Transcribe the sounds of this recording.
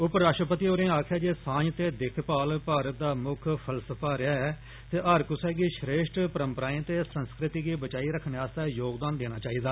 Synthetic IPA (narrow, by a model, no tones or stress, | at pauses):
ʊpɾaːʃʈɾəpət̪iːoːɾẽːaːkʰjaːd͡ʒeːsãːɲt̪eːd̪ɪkʰpaːlpaːɾət̪̚d̪aːmʊkʰpʰəlsəpʰaːɾɪaːɛː | t̪eːʔəɾkʊsɛːɡiːʃɾeːʃʈpəɾəmpəɾaːĩːt̪eːsə̃nskɾɪt̪iːɡiːbət͡ʃaːiːɾəkʰːənaːst̪aːjoːɡd̪aːnd̪eːnaːt͡ʃaːiːd̪aː